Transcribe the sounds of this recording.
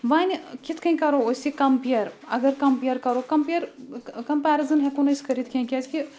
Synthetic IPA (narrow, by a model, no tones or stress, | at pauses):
ʋaːnkit̪ʰkɐ̃ĩkɐɾoosikɐmpijɐɾɐɡɐɾkɐmpijɐɾkɐɾokɐmpeɐɾkɐmpaːɾizɐnɦɛ̃kunɐskɐɾit̪ʰkɐ̃ĩkʲɐd͡ʒki